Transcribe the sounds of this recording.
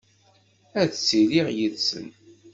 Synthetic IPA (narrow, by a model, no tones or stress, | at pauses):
æðt͡sːiliʁjiðsə̰n